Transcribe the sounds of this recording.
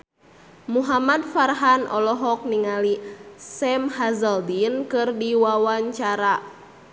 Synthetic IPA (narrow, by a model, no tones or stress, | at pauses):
muɦamad̚farɦanɔ̰lɔɦɔk̚niŋalisɛmhazəldinkɨrdiwawaɲt͡ʃaɾa